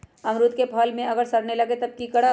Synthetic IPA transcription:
ɐmɾʊt̪kepʰɐːlmẽɐɡəɾsɐɽnelɐɡet̪ɐb̚kikɐɽa

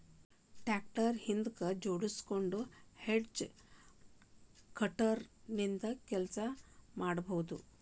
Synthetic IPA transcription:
ʈæk̚ʈəɾhind̪kəd͡ʒoɽuskoɳɖuheɖd͡ʒ | kəʈəɾnint̪əkɛlsamaɽbʱowd̪u

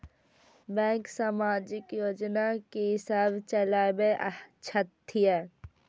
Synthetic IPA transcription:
bɛ̃ːŋksamaːd͡ʒɪkjoːd͡ʒnakeɦɪsaːbt͡ʃəlaːbeʔə̰t͡ʃʰət̪ʰːijə

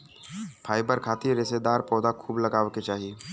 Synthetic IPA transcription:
pʰaːibəɾkʰaːt̪iɾɪsed̪aːɾpɔːd̪akʰuːblɐɡaːʋket͡ʃaːɦie

